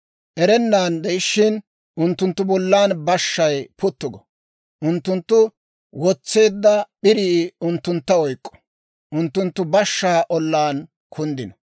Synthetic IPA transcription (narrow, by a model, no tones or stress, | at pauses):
ʔɛɾɛnːaːnd̪ɛjɪʃːɪn | ʔʊnt̪ːʊnt̪ːʊbɔlːaːnbɐʃːɐjpʊt̪ːʊɡɔ | ʔʊnt̪ːʊnt̪ːʊ | wɔt͡sːe̞ːd̪ːɐɓɪɾiːʊnt̪ːʊnt̪ːɐɔjkʼːɔ̥ | ʔʊnt̪ːʊnt̪ːʊbɐʃːaːʔɔlːaːn | kʰʊnd̪ɪnɔ